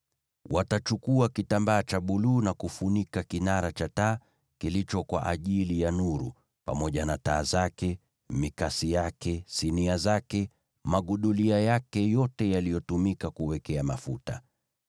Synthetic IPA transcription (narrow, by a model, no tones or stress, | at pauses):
watat͡ʃukuakitambaːt͡ʃaɓuluːnakufunikakinaɾat͡ʃataː | kilit͡ʃɔkwa̰ʔaʄilijanuɾṵ | pa̰mɔʄanataːzakɛ | mikasijakɛsiniazakɛ | maɠuɗuliajakɛjɔtɛjalijɔtumikakuwɛkɛama̰futa̰